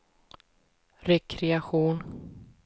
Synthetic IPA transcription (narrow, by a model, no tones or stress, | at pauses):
ɾɛkʰɾɛaɧuːn